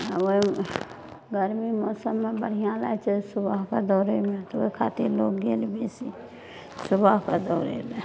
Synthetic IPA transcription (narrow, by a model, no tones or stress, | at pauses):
oi | ɡəɾmimɔːsəmːebəɽ̤ijãlajt͡ʃʰɛsʊbaɦkad̪ɔːɾemẽt̪ɔʋoikʰaːt̪iɾlokɡelbesi | sʊbaɦkad̪ɔːɾḛme